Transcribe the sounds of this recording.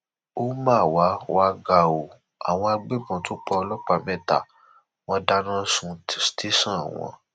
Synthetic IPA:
o˦mã˦˨wa˨˦wa˧ɡa˨o˨ | a̰˨w̃ɔ̃˧a˧ɡ͡be˦˨mɔ̃˨tu˨˦k͡pɔ˧ɔ˧lɔ˦k͡pa˧mɛ̃˦ta̰˨ | wɔ̃˧da˦nã˦sũ˧˨ste˦sã˦˨w̃ɔ̰̃˧˦

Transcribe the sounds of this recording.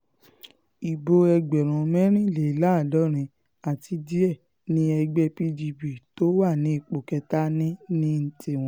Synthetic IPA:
i˨bo˧ɛ˧ɡ͡bɛ˨ɾ̃ũ˨˧mɛ̃˦ɾ̃ĩ˦˨le˨la˦˨dɔ˦˨ɾ̃ĩ˧ | a˨ti˧di˦ɛ˦˨ | nĩ˧˦ɛ˧ɡ͡bɛ˧pi˧d͡ʒi˧bi˨to˨˦wa˦˨nĩ˨˦i˨k͡po˨kɛ˧ta˦nĩ˦nĩ˦n̩˨ti˦˨w̃ɔ̃˦

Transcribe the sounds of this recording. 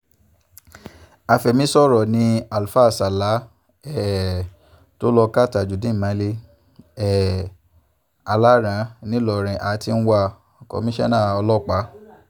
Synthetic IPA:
a˧fɛ˨mĩ˦sɔ˦˨ɾɔ˨nĩ˧˦a˨lfa˦˨sa˨la˨˦ | ɛ˦˨ | to˦lɔ˧ka˦˨ta˨d͡ʒu˨dĩ˨˦˨mã˨˦le˧˦ | ɛ˨ | a˧la˦ɾã˨˦nĩ˦lɔ˦˨ɾ̃ĩ˨ʔa˨˦ti˧n̩˦wa˧˨ | kɔ̰˨mĩ˦ʃɛ˦nã˦˨ɔ˧lɔ˦˨k͡pa˨˦

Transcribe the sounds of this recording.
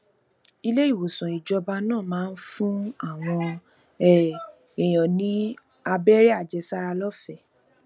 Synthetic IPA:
i˧le˦i˦˨wo˨sɔ̃˨i˨d͡ʒɔ˧ba˧nãː˦˨mãː˦˧n̩˦fũ˦a˦˨w̃ɔ̃˧ | ɛ˦ | e˨j̃ɔ̃˨nĩ˦ | a˧bɛ˦ɾɛ˦a˦˨d͡ʒɛ˧sa˦ɾa˧lɔ˦fɛ˦˨

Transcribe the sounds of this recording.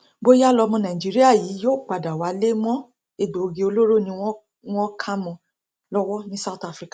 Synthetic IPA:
bo˦ja˦lɔ˧mɔ̃˧nã˨i˨d͡ʒi˨˦ɾi˦a˦˨jiː˨˦jo˦˨k͡pa˨da˨wa˨˦le˦mɔ̃˦ | e˨do˨ɡi˧o˧lo˦ɾo˦˨nĩ˧˦ | w̃ɔ̃˦kʰa˦mɔ̃˧ | lɔ˦wɔ˦nĩ˦sa˦˨ta˦fɾi˦kḁ˨

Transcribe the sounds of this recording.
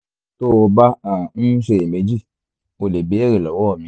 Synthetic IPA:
to˦˨o˧ba˦a˦˨n̩˦ʃe˧˨e˨me˨˦d͡ʒi˦˨ | o˧le˨be˨˦e˦ɾe˨lɔ˨wɔ˦˨mĩ˧˦

